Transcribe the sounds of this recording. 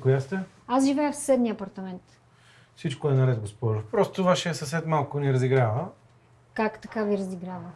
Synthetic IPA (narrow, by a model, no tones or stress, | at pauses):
kojast̪ɛ | asʒivɛjəfssɛd̪niɐpɐɾt̪ɐmɛnt̪ | fsit͡ʃkoɛnɐɾɛt̪̚ɡospɔɾofpɾɔst̪ovaʃɛːsəsɛt̪malˠkʊniɾɐziɡɾavə | kakt̪ɐkaviɾɐziɡɾavə